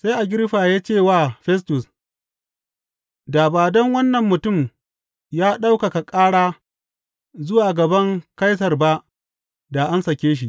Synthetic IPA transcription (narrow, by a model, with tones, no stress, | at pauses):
sa˦jʔa˨ɡʲɪ˦ɾɸaː˨jaː˦t͡ʃeː˦˨waː˦˨ɸɛ˦s̬tʊ˨s | daː˨baː˨dɐ˦ŋwɐ˦nːɐ˨mːʊ˨tʊ˦˨m | jaː˦ɗa˦wka˨ka˨kʼaː˦ɽaː˦ | zʊ˦waː˨ɡɐ˨bɐ˦ŋka˦js̬ɐ˨rba˦ʔ | da˨ʔa˦nsɐ˨kʲeː˦ʃ̬i˦ʔ